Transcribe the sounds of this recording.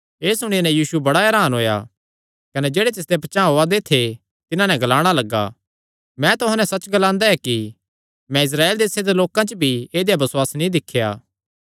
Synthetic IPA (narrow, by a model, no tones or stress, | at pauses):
eːsʊɽ̃ɪnɛ̃jiːsubɐɽaɛːɾaːnɦoːja̰ | kɐnɛd͡ʒeːɽet̪ɪs̬d̪epɐt͡ʃãːɦoːad̪et̪ʰe | t̪ɪnãnɛɡɐlaːɽ̃alɐɡːa̰ː | mɛ̃t̪ʊɦãnɛsɐt͡ʃːɡɐlãːnd̪aɛki | mɛ̃ɪs̬ɾaːeːld̪eːsed̪eloːkãt͡ʃəbʱieːd̪ejabɐswaːsnĩd̪ɪkʰːja̰ː